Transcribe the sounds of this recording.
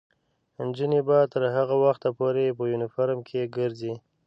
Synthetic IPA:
nd͡ʒənebat̪əɾɦaɣawaxt̪apoɾepəjunɪfaɾmkʰeɡəɾzi

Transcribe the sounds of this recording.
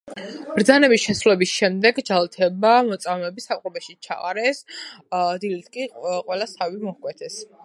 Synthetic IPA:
b̥ɾd̪zanɛbisʃɛsɾulɛbisʃɛmd̪ɛɡd͡ʒalˠt̪ʰɛbamɔt̪sʼavmɛbisapqʼɔbɛʃit͡ʃʰa̰a̰ɾɛs | d̪ilit̪ʰkʼiqʼwɛlasʰavimɔhkʼwɛt̪ʰɛs

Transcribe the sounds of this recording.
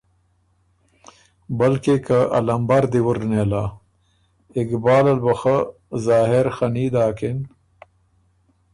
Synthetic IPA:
bɐlkekaɐ̰lɐmbaɾd̪iwuɾneːlaː | ɪkbaːlɐlbɐxa | zaːɦeɾxɐniːd̪aːkin

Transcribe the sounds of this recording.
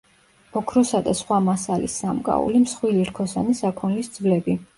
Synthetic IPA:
ɔkʰɾɔsad̪asχwamasalḭsːamkʼa̰ṵlimsχwiliɾkʰɔsanisakʰɔnlisd̪z̥vlɛbi

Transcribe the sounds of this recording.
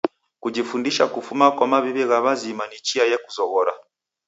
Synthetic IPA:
kud͡ʒifundiʃakufumakwamaβiβɛɣaβazimanit͡ʃiajɛkuzɔɣɔɾa̰

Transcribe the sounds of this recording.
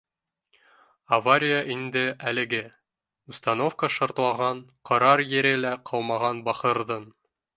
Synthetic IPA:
ɐvaɾʲɪjəʔind̪ɘælɘ̆ɡɘ | ust̪ɑnofkəʃŏɾt̪lˠɑʁɑnqʰɤ̆ɾɑɾjɘ̆ɾɘlæqʰɤ̆lˠmɑʁɑnbɑχɤ̆ɾðɤn

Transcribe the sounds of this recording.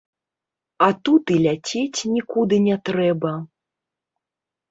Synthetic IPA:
ɐt̪ut̪ilʲat͡sʲet͡sʲnʲikud̪ɨnʲɛt̪ɾɛbɐ

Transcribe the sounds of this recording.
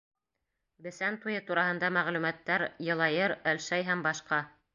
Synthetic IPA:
bɘ̆sænt̪ujɤt̪uɾɑɦɤ̆nd̪ɑmæʁlʉmæt̪ːæɾjɤ̆lˠɑjɤɾælʃæjɦæmbɑʃqɑ

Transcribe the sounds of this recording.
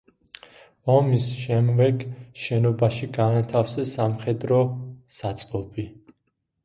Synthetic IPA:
ɔmisʃɛmvɛɡʃɛnɔbaʃiɡanat̪ʰafsɛsamχɛd̪ɾɔsat̪sʼqʼɔpʰi

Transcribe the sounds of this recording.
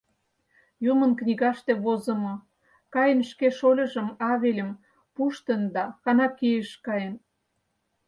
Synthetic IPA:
jumə̆nknʲiɣɑʃt̪eβozə̆mo | kɑjənʃkeʃolʲɤ̆ʒə̆mɑβelʲəm | puʃt̪ə̆nd̪ɑxɑnɑkijəʃkɑjən

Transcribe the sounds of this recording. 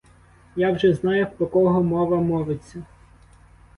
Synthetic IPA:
jawʒɛznɑjʊxpɔkɔɦɔmɔʋɐmɔʋɪt͡sʲːɐ

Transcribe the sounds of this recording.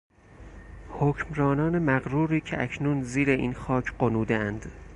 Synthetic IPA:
hocmɾɒːnɒːne̞mæɣɾuːɾiːcʰeʔæcʰnuːnziːɾeʔiːnxɒːcʰɢonuːd̪eænd̪

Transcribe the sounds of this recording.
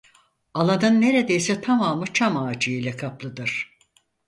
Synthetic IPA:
alˠanɯnːe̞ɾed̪ejsɛt̪ʰamaːmɯt͡ʃʰamaːd͡ʒɯjijlʲɛkʰaplˠɯd̪ɯɾ̥

